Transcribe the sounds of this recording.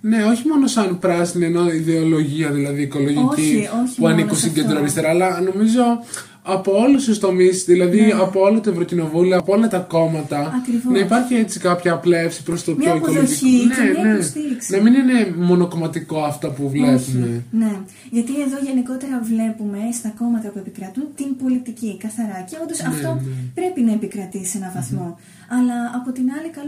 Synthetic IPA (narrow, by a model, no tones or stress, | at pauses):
ne̞o̞çimo̞no̞sɐnpɾɐsinieno̞iðe̞olo̞ʝiɐðilɐðiːko̞lo̞ʝicioçpuɐnikunsiɟe̞nd̪ɾoɐɾist̪eɾɐːlɐno̞mizo̞ | ɐpo̞olust̪ust̪o̞misðilɐðiɐpoolot̪oe̞vɾocino̞vulioɐpoolɐt̪ɐko̞mɐt̪ɐɐkɾivnɐipɐɾçie̞t͡si̥kɐpçɐːple̞fsi̥pɾost̪opoikoloineneost̪iiksnɐminine̞mo̞noko̞mɐt̪iko̞ɐft̪ɐpuvlepumene̞ | ʝɐt̪ieðo̞ʝe̞niko̞t̪e̞ɾɐvle̞pume̞st̪ɐko̞mɐt̪ɐpue̞pikɾɐt̪unt̪imbo̞lit̪icikɐθɐɾɐceond̪osɐft̪o̞pɾe̞pinɐe̞pikɾɐt̪isienɐvɐθmo̞ | ɐlɐːpo̞t̪inɐlikɐl